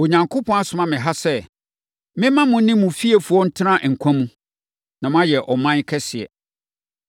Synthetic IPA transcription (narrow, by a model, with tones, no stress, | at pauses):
o˨ɲã˨ŋkʰʊ˦pʰɔ̃˦a˦sʊ˨mã˦mɪ̃˨ɦa˦sɛ˦ | mɪ̃˦mã˦mʊ̃˦nɪ̃˦mũ˨fi˦e˨fu˨ɔ˦n̩˦tʰɪ˦ɾã˦ʔŋ̩˨kʷʰã˦mũ˦ | nã˨m˦ã˦jɛ˨ʔɔ˨mã˦ɲ˦kʰɛ˦sɪ˨ɛ̰˨